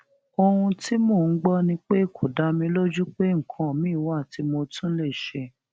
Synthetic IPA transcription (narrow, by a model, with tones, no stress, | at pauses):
o˧hũ˧ti˦mo˦˨˦ɡ͡bɔ˦nĩ˧k͡pe˦˨kʰo˨da˨˦mĩ˧lo˦d͡ʒu˦k͡pe˦ŋ̩˨kʰɔ̃˨mĩ˨˦˨wa˦˨ti˨˦mo˧tʰũ˦le˦˨ʃe˧